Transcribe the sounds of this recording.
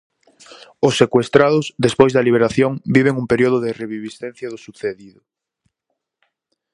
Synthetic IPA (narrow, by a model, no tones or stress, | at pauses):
ʊsːekwest̪ɾaðʊzd̪espojzðɐliβ̞eɾaθjoŋbiβ̞eŋumpeɾioðʊðɪreβiβisθen̟θjɐðʊsuθeðiðʊ